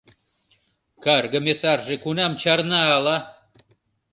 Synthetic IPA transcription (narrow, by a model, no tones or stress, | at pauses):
kɑrɣə̆mʲesɑrʒekunɑmt͡ɕɑrnɑːlɑ